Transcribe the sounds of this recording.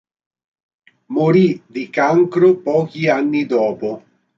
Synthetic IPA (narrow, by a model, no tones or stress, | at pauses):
moɾid̪ikaŋkɾʊpɔːk̟ianːid̪ɔːpʊ